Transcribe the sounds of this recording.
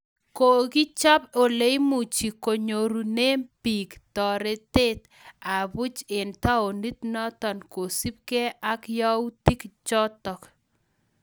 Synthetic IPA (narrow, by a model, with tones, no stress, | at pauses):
ko˨ɡi˦t͡ʃa˦po˨le˨˦i˦mu˨t͡ʃi˨ko˨ɲo˨ɾu˨ne˦mpi˨ktɔ˨ɾe˦te˦t̪ | a˨bʊ˦t͡ʃe˨nta˦o˨ni˦t̪̚nɔ˦t̪ɔ˨nko˨si˦p̚ke˦a˦kja˦u˦ti˦kt͡ʃɔ˦tɔ˨k